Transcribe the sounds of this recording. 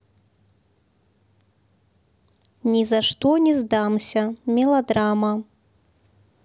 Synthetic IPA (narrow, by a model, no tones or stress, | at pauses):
nʲizaʂt̪ɔnʲɛzd̪amsʲɐmʲɛlˠad̪ɾamɐ